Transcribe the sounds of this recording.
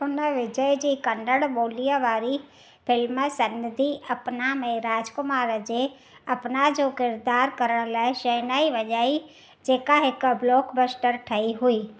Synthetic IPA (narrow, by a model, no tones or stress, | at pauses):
ʊnəʋɪd͡ʒəjd͡ʑiːkɐnɖəɽɓoːlijəʋaːɾi | pɪlməsɐnəd̪ʱiʔɐpnamɛ̃ɾaːd͡ʒkʊmaːɾəd͡ʑe | ɐpnad͡ʒoːkɪɾd̪aːɾkəɾəɽ̃laːɪʃənaːiʋɐʄaːi | d͡ʒeːkaɦɪkbloːkbəsʈəɾʈʰɐiɦʊiː